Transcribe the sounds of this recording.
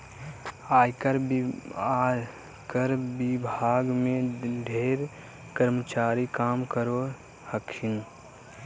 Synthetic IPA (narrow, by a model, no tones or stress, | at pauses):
aːjkəɾ | kəɾbɪbʱaːɡmẽɖʱeːɾ | kəɾmət͡ʃaːɾikaːmkəɾo | həkʰin